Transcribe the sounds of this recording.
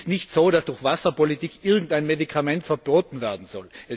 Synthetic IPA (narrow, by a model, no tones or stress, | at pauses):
stnɪçtsoːɾasd̥ʊxv̥asɐpolitiːkʰʔɪɐɡŋ̩taɪnmedikʰamɛntfɛɐb̥oːtn̩vɛɐdn̩zɔlʔɛ